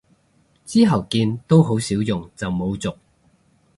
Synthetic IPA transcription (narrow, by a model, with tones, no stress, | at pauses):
t͡siː˥ɦɐ˨˩wkiː˧nt̪o˥wɦo˨˥wsiː˨˥wjʊ˨ŋt͡sɐ˨wmo˨˧wt͡sʊ˨k̚